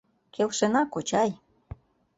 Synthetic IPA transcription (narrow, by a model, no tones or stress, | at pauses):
kʰewʃenɑkot͡ɕɑj